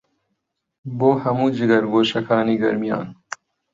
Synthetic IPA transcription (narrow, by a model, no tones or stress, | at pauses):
boːhɐmud͡ʑiɡɐɾɡoːɕɐkʰaːniɡɐ̰ɾmija̰ːn